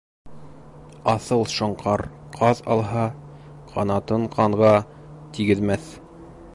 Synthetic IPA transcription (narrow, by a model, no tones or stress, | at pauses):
ɑθɤlˠʃŏɴqʰɑɾ | qʰɑðɑ̰lˠɦɑ | qʰɑnɑt̪ɤɴqʰɑɴʁɑ | t̪iɡɘ̆ðmæθ